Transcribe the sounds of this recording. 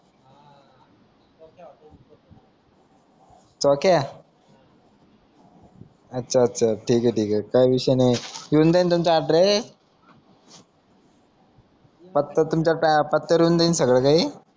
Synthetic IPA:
t͡sɔkja | ətːɕʰaːtːɕʰaʈʰiːkeʈʰiːkekajʋiɕəjnejuːnd̪aint̪̬umt͡ɕaaʈɾe | pət̪ːət̪umt͡ɕapapət̪ːəɾjuːnd̪ainsəɡɭəkaɦi

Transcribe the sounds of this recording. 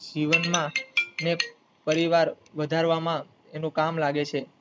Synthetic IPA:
d͡ʒiʋənmãne | pəɾiʋaɾ | ʋəd̪ʱaɾʋamã | enũkamlaɡet͡ʃʰe

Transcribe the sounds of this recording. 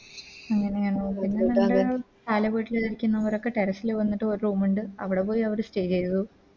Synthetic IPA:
ɐŋːɐneeŋːɐneoːpinːɐlɐɳɖaɐ | t̪aːlɐʋeːʈːileðɐɾikʲːunːɐʋɐɾo̞kːe̞ʈeɾɐsileʋɐnːiʈːɨoɾuruːmuɳɖɨɐʋiɽe̞po̞ːjiɐʋɐɾɨsʈe̞ːd͡ʑt͡ɕejɐðu

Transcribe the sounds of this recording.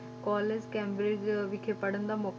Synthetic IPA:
kɔːled͡ʒkɛːmbɾed͡ʒʋɪkʰepəɽənd̪aːmɔːk

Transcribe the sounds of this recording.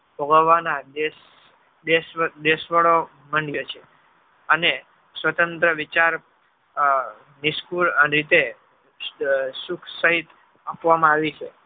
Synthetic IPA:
bʱəɡəʋːanad̪es | d̪esd̪esʋəɭo | məɳɖjət͡ʃʰe | əne | sʋət̪ə̃nt̪ɾəʋit͡ʃaɾ | niskuləɾit̪e | sukʰsəɦit̪ | apʋamãaʋit͡ʃʰe

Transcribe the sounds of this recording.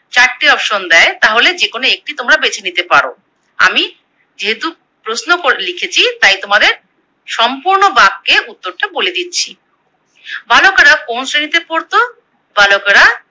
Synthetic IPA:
t͡ɕaʈʈːiɔpʃond̪ɛet̪aɦoled͡ʑekonoek̚ʈit̪omɾabet͡ɕʰenit̪epaɾo̰ | a̰mi | d͡ʑeɦet̪u | pɾosnokoɾelikʰet͡ɕʰit̪ajt̪omad̪eɾ | ʃɔmpuɾnobab̚keut̪ːoɾʈaboled̪itːɕʰi | bʱalokaɾakonsɾenit̪epoɾt̪o | bʱalokaɾa

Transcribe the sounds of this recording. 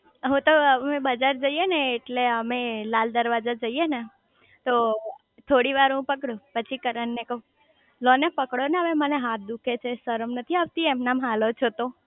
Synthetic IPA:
əɦũt̪oəmebəd͡ʒaɾd͡ʒəijeneːʈleəmelald̪əɾʋad͡ʒad͡ʒəiene | t̪o | t̪ʰoɽiʋaɾɦũpəkɽupət͡ʃʰikəɾənːekəũ | lɔnepəkɽoneɦəʋeməneɦãt̪̚ʰd̪ukʰet͡ʃʰesəɾəmnət̪ʰiaʋt̪iemnamɦalot͡ʃʰot̪o

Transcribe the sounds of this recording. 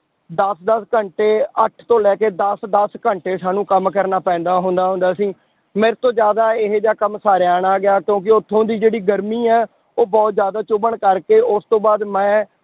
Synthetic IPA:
d̪əsd̪əskəɳʈeːəʈʰt̪õːlɛːkeːd̪əsd̪əskəɳʈeːsaːnũːkəmkəɾnaːpɛ̃ːnd̪aːɦʊ̃nd̪aːɦʊ̃nd̪aːsĩː | meːɾt̪õːd͡ʒjaːd̪aːɪɦed͡ʒaːkəmsaːɾeaːɳaːɡɪjaːkjõːk̬ɪʊt̪ʰːõːd̪iːd͡ʒeːɽiːɡəɾmiːɛː | oːbɔːt̪zjaːd̪aːt͡ʃʊbəɳkəɾkeːʊst̪õːbaːd̪mɛ̃ː

